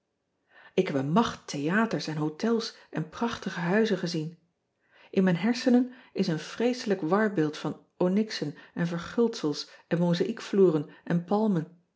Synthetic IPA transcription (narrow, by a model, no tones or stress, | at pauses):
ɪkɦɛbənmɑχtʰejaːtəɹsɛnɦowtʰɛlˠs | ʔɛnprɑχtəχəɦœɥzəχəzin | ʔɪnmɛjnɦɛɹsənənɪsənv̥rejsələkʋɑɹbɪːlˠtfɑn | onɪksənɛnvəɹχʏlˠtsəlˠsɛnmozaʔikfluːrənʔɛnpɑlˠmən